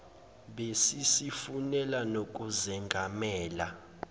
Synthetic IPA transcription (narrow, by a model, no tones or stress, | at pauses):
ɓesisifunɛlanok̬ʼuzɛŋɡʱamɛːla